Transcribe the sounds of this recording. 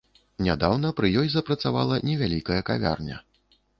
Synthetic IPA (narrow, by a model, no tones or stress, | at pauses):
nʲad̪awnɐpɾɨjɔjzɐpɾɐt̪sava̰lˠɐnʲɛvʲalʲikɐjɐkavʲa̰rnʲɐ̰